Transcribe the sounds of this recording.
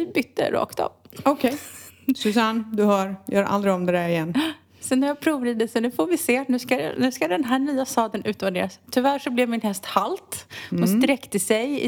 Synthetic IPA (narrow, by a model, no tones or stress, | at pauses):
ɪbʏt̪ːə̰ɾʔɑ̰ːkt̪ɔ̰mɔkʰɛjsʉsand̪ɵhɑːɾjœːɾʔa̰ld̪ɾɪɡɔmd̪ɛd̪æɾɪjɛnː | sɔnæɾjɑːpʰɾuːvɾid̪əsɔnʉ̟ːfoːɾvɪseːnʉ̟ska̰nʉ̟ːskad̪ɛnɦæːɳyːast̪ɑːd̪ənʉ̟ːt̪vaɖḛːɾast̪ʰʏvæʂɔblɛvmɪnɦɛst̪halt̪hʊnst̪ɾɛkt̪əsɛjɪ̰